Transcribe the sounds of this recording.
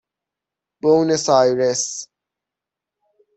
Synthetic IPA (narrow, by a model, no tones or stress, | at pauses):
b̥ownesajɾes